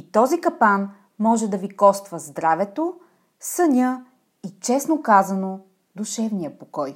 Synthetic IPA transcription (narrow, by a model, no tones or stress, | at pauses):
it̪ɔzikɐpan | mɔʒɛd̪ɐvikɔst̪vəzd̪ɾavɛt̪o | sənʲɤ | it͡ʃɛsnokazɐno | d̪uʃɛvnijəpokɔj